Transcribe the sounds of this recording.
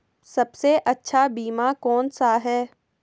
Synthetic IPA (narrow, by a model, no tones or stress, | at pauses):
sɐbseʔɐtːʃʰabiːmakɔːnsaɦɛː